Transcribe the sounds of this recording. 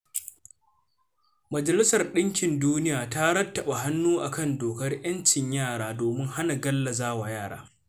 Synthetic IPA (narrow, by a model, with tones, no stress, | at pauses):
mɐ˨d͡ʒɐ˨lɪ˦sɐ˨rɗɪ˦ŋkʲɪ˨nduː˦nɪ˦jaː˨taː˦ɾɐ˦tːɐ˨ɓa˨ɦa˦nːuː˦ʔa˨kɐ˦ndoː˨kɐ˦rʔj̰ɐ˦nt͡ʃɪ˨ɲjaː˦˨ɽaː˦doː˨mɪ˦ŋha˦na˨ɡɐ˦lːa˨zaː˦wa˨jaː˦˨ɽa̰ː˦